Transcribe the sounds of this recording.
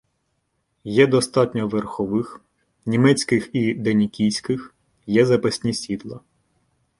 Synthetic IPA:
jɛd̪ɔst̪ɑtʲnʲɔʋerxɔʋɪx | nʲimɛt͡sʲkɪxid̪enʲikʲijsʲkɪx | jɛzɐpɐsʲnʲisʲid̪lˠɐ

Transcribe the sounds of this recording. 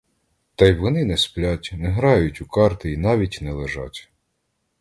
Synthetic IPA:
t̪ɑjʋɔnɪnɛsplʲatʲnɛɦɾɑjʊtʲukɑrt̪ɪinɑʋʲitʲnɛlˠeʒɑ̰tʲ

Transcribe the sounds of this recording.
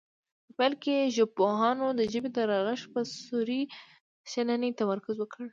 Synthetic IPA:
pəpɛlkeʒʊpoɦɑnod̪əʒəbed̪əɾɑɣəʃpəsuɾi | ʃananit̪amaɾkʊzwəkʰəɽ

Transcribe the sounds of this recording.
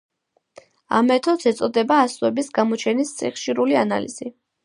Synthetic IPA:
a̰mɛt̪ʰɔt̪sɛt̪sʼɔd̪ɛbaːsɛbisɡamɔt͡ʃʰɛnist̪sʼʰḭχʃiɾuliana̰liz̥i

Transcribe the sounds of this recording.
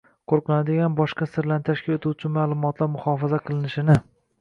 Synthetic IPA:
qʰoɾqɨnad̪ɪɡʲanbɒʃqɑsɪɾlanɪt̪ʰaʃkʲɪlet̪ʰuwt͡ʃʰɪmaːlˠʊmɒt̪laɾmʊχɒːfazaqʰɨlˠɪnɪʃɪnɪ

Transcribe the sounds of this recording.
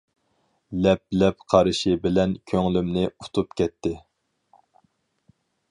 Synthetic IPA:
lɛp̚lɛpqʰɑɾɨʃibɪlɛnkʲʰøŋlymnɪu̥t̪ʰupkʲʰɛt̪ʰːɪ

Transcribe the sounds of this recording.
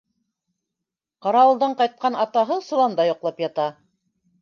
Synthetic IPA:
qɑɾɑɤ̆lˠd̪ɑɴqɑjt̪̚qɑnɑt̪ɑɦɤsŏlˠɑnd̪ɑjŏqlˠɑpjɑt̪ɑ

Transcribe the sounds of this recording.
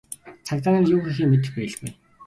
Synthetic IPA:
t͡sʰak̚t̪aːniːrjuːxix̬iːŋmet̪̬ɘ̆xbæ̆ːɮɡṵj

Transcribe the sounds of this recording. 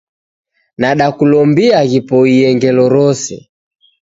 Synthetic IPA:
naɗakulɔmbiaɣipɔiɛŋɡɛlɔɾɔsɛ̰

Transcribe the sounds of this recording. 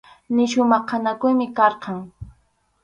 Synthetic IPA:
nɪʃʊmɑχanakʊjmɪkɑɾqɑŋ

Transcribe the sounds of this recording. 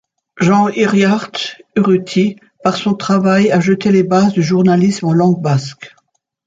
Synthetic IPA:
ʒɑ̃iʁjaʁt̪yʁyt̪ʰi | paʁsɔ̃t̪χavajaʒət̪elebazd̪yʒuʁnalismɑlɑ̃ɡ̚bask

